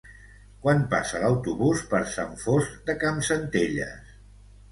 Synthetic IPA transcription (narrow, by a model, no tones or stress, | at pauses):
kwanpasələwt̪uβuspəɾsaɱfozd̪əkamsənt̪eʎə̰s